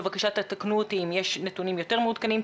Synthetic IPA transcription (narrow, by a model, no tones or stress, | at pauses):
vakaʃat̪at̪aknuot̪iːmjeʃnet̪unimjo̞t̪e̞ʁmeud̪kanim